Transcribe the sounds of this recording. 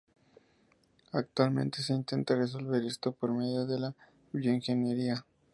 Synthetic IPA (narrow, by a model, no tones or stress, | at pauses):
ak̚t̪walmẽ̞̰nt̪e̞s̬e̞int̪e̞nt̪ares̬o̞lβe̞ɾe̞st̪o̞poɾme̞ðjoðe̞la | joiŋxe̞njeɾia